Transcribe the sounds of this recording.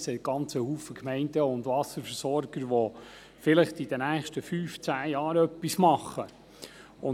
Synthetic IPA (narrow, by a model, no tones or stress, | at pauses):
sɛt̚ɡ̥ɑnt͡səhuːfəkmɛɪndəʊnd̪ʋɑsəɾfəɾsɔɾɡ̥əɾʋɔ | fɪləχtid̥ənæːχʃtəfyːft͡sæːjɑːɾœpːismɑχə | ʊ